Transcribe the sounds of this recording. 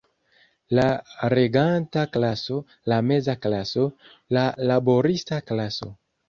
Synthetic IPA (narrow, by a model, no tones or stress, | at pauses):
laɾe̞ɡantaklaso̞ | lame̞zaklaso̞ | lalabo̞ɾistaklaso̞̰